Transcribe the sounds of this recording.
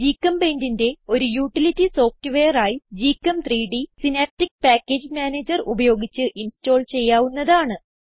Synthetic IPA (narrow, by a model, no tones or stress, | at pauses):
d͡ʑiːkːɐmbeːndinde̞o̞ɾujuːʈːilitːiso̞ːftɨʋe̞ːjɐraːjid͡ʑiːkːɐmt̪ʰriːɖisinaːp̚ʈːik̚paːkːeːd͡ʑmaːneːd͡ʑɐrubɐjo̞ːɡit͡ɕːɨʔinsto̞ːlt͡ɕe̞jːaːʋunːɐðaːɳɨ